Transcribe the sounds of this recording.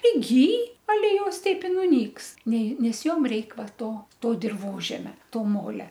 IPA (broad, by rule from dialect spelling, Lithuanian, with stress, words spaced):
pʲrʲɪˈɡʲiːj ɐˈlʲɛ ˈjoːs ˈtʲɛɪp ɪ nʊˈnʲiːks ˈnʲɛɪ nʲɛs ˈjoːm ˈrʲɛɪk ˈʋɐ ˈtoː ˈtoː dʲɪrˈʋoːʒʲɛmʲɛ ˈtoː ˈmoːlʲɛ